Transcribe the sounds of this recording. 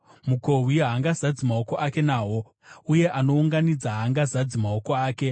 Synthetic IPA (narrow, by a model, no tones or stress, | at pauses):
muko̞wiɦaŋɡazad͡zimaoko̞ʔake̞naːɦo̞ | uje̞ʔano̞uŋɡanid͡zaɦaŋɡazad͡zimaoko̞aːke̞